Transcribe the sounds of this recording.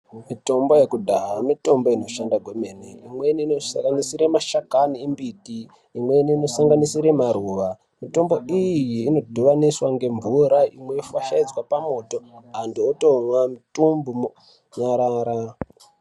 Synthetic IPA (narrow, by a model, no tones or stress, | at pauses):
mito̞mbo̞jekudʱaɦamito̞mbo̞ino̞ʃandaɡʱome̞neḭmwe̞niinosaŋɡanisiɾemaʃakaniimbitiː | mwe̞niːno̞saŋɡanisiɾemaɾuːʋa | mito̞mbo̞ijijiːno̞dʱuʋaniswaŋɡe̞ɱvuɾaʔimwejofaʃaid͡zwapamo̞to̞andiotomwamitumbum | ɲaɾaːɾa